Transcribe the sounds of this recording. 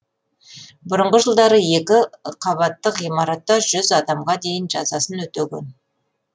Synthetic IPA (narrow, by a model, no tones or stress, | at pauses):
bʊɾəɴʁəʒəlˠd̪ɑɾəje̞kʲɪqʰɑβɑt̪ːəqijmɑɾɑt̪ːɑʒʏzɑd̪ɑmʁɑd̪e̞jɪnʒɑzɑsənwɵt̪eɡʲen